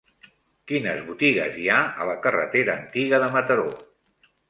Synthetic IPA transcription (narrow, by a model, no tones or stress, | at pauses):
kinəzβut̪iɣəziaə̰ləkərə̰t̪eɾəːnt̪iɣəðəmət̪əɾo